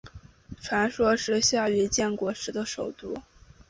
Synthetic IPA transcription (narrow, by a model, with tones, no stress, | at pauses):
ʈ͡ʂʰwa˧˥nʂwɔ˥ʂɻ̩˥˧ɕja˥˩y˧˥t͡ɕjɛ˥˩nkwɔ˧˥ʂɻ̩˧˥d̪ə˧ʂo˨˩ʊt̪u˥˩